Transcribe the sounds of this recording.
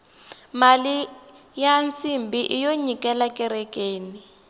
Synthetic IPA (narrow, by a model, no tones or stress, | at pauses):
mali | jant͡simbiʔijoɲikʼɛlakʼɛɾɛkeːni